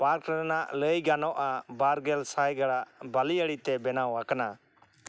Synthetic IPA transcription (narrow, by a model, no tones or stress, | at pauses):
paɾkɾəɾnaʔləjɡanɔʔabaɾɡɛlsajɡəɽaʔbaliəɽit̪ɛbɛnawakna